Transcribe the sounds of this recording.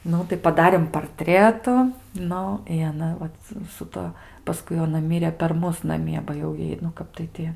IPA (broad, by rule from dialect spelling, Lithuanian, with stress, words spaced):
ˈnʊ tɐɪ pɐˈdɑːrʲeːm pɐrʲˈtʲrʲæːtʊ ˈnʊ ɪ ɐˈnɐ ˈʋɐt sʊ ˈtuɔ pɐˈskʊɪ jɛʊ ɐˈnɐ ˈmʲɪrʲɛ pʲɛr ˈmʊs nɐˈmʲiɛ bɐ jɛʊ ˈjɛɪ nʊ ˈkɐp tɐɪ tʲɪ